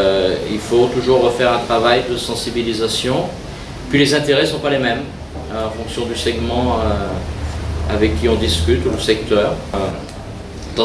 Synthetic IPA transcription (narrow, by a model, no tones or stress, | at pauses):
ḭlfot̪uʒuʁːəfɛʁɛ̃t̪χavajd̪əsɑ̃sibilizasjɔ̃ | pɥilezɛ̃t̪eʁɛsɔ̃palemɛm | ɑ̃fɔ̃ksjɔ̃d̪ysɛɡmɑ̃ø | a̰vɛkʲːiɔ̃d̪iskʲyt̪uləsɛkt̪œːʁ | d̪̥ɑ̃